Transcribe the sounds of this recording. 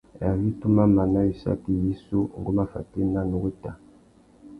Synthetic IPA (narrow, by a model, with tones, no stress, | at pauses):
ja˨vi˦tu˦ma˦ma˨na˦wi˨sa̰˦ki˨ji˦su˦˨ŋ̩˨ɡu˦ma˦fa̰˨te˦na˦nu˨ɡe˦ta˨